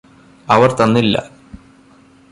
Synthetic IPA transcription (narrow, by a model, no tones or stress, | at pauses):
ɐʋɐrt̪ɐnːilːɐ̰